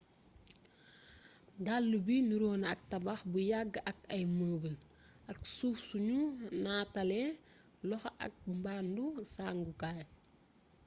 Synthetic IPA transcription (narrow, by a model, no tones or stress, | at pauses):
dalːubinuɾoːnɐk̚tɐbaxbujaɡːʔɐk̚ɐjməːbəl | ʔɐksuːfsuɲunaːtɐlɛ | lɔxʔɐ̰k̚mbaːndusaːŋɡukaj